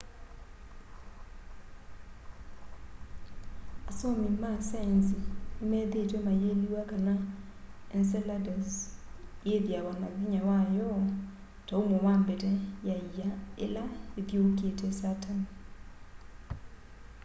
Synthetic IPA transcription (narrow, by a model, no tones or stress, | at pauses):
asomimasanzinemɛːðetomajeliwakana | ensɛladaz | jeðjaβanaðiɲawajɔ | taomowaːmbetɛjaijaḛlaeðjoketɛsatani